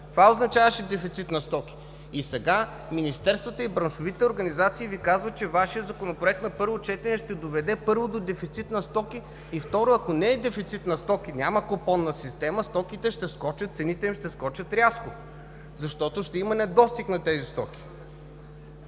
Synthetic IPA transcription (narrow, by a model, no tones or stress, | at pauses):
t̪ovaoznɐt͡ʃavɐʃɛd̪ɛfit̪sit̪nɐst̪ɔk̟ʲi̥ː | sɛɡa | minist̪ɛɾst̪vət̪əibɾɐnʃʊvit̪ɛoɾɡɐnizat̪siːvikazvət͡ʃɛvaʃijəd̪zɐkonopɾʊɛk̚t̪nɐpɤɾvot͡ʃɛt̪ɛnɛʃt̪ɛd̪ovɛd̪ɛpɤɾvod̪od̪ɛfit̪sit̪nɐst̪ɔkʲiː | ft̪ɔɾoɐkonɛːd̪ɛfit̪sit̪nɐst̪ɔkʲinʲaməkopɔnːɐsist̪ɛməst̪ɔkit̪ɛʃt̪ɛskɔt͡ʃɐt̪t̪sɛnit̪ɛimʃt̪ɛskɔt͡ʃət̪ɾʲjaskʊ | zɐʃt̪ɔt̪oʃt̪ɛimɐnɛd̪ɔst̪ixnɐt̪ɛzist̪ɔk̟ʲi̥